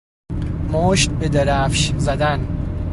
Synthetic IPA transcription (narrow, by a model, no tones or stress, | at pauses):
moːʃt̪̚bed̪eɾæfʃzæd̪æn